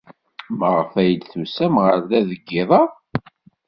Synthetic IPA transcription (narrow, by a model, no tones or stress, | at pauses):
məʁəfæjəd̪θusæmʁəɾðæðəɡːɪðˤɑ